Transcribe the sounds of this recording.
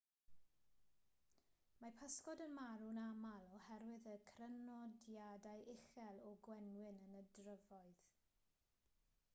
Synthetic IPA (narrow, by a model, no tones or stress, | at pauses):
mapʰaskɔdənmaɾunamalˠɔhɛɾwɪðəkʰrənɔdjadajɪxɛlˠɔɡwɛnwɪnənədrəvɔɨð